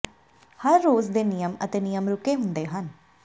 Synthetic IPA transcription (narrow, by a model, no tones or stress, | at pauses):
həɾːoːzd̪eːnijəmə̰t̪eːnijəmɾʊkeːɦʊ̃nd̪eːɦən